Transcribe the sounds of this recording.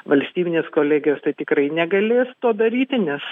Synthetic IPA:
ʋɐlʲsʲt̪ʲiːbʲɪnʲeːskoːlʲæːɡʲɪjoːst̪ɐɪt̪ʲɪkrɐɪnʲɛɡɐlʲeːst̪uɔd̪ɐɾʲiːt̪ʲɪnʲɛs

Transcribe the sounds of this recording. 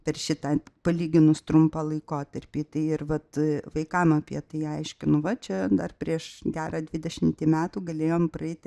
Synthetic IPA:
pʲɛrʃʲɪt̪ɐːpɐlʲiːɡʲɪnʊst̪ɾʊmpɑlˠɐɪkoːt̪ɐrʲpʲiːt̪ɐɪɪrʋɐt̪ʋɐɪkɐmɐpʲiɛt̪ɐɪɐɪʃʲkʲɪnʊʋɐt͡ʃʲɛd̪ɐrpʲɾʲiɛʃɡʲæːɾɐːd̪ʲʋʲɪd̪ʲɛʃʲɪmʲt̪ʲiːmʲæːt̪uːɡɐlʲeːjoːmprɐɛɪt̪ʲ

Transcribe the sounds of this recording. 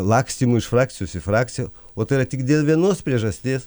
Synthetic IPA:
lˠɑːksʲt̪ʲiːmuɪʃfɾɑːk̚t̪ʲɪjoːsɪfɾɑːkt̪sʲɪjoː | oːt̪ɐɪɾɐt̪ʲɪkd̪ʲeːlˠʋʲiɛnoːspʲɾʲiɛʒɐsʲt̪ʲeːs

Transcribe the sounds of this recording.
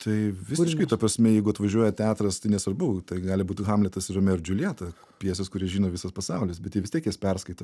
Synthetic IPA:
t̪ʰɐɪʋʲɪsɪʃkɐɪt̪ɐpɾɐsʲmʲɛjɛɪɡʊɐt̪ʋɐʒʲuɔjɛt̪ʲæːt̪ɾɐst̪ɐɪnʲɛsʋɐɾbɐʊt̪ɐɪɡɑːlʲɪbuːt̪ʲxɑːmlʲɛt̪ɐsɪɾɐmʲɛɾʲd͡ʒʲʊlʲiːt̪ɐ | pʲiɛs̬ʲɛskʊɾʲiɛʒʲiːnoːʋʲɪsɐspɐsɑʊlʲɪsbʲɛt̪jiɛʋʲɪst̪ʲiɛkjɛspʲɛrskɐɪt̪ɐ

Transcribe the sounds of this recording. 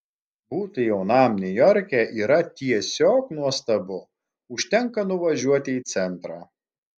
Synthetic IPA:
buːt̪ʊjɛʊnɑˑmnʲʊjɔɾʲkʲɛːʔiːɾɐt̪ʲiɛsʲoːknuɔst̪ɐbʊ | ʊʃʲt̪ʲɛŋˑkɐnʊʋɐʒʲuɔt̪ʲɪiːt̪sʲɛnˑt̪ɾɑː

